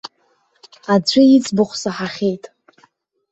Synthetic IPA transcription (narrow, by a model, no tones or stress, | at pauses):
ad͡ʒʷʰʼɪjit͡sʰʼbʊχʷsaħaχʲejtʼ